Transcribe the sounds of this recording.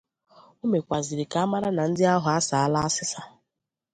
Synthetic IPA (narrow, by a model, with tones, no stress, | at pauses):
u˦me˨kʷa˨zi˨ɾɪ˨ka˨˦a˦ma˦ɾa˦na˨n̩˦dɪ˦a˦ɦʊ˨a˦sa˨a˦la˦a˦sɪ˦sa˦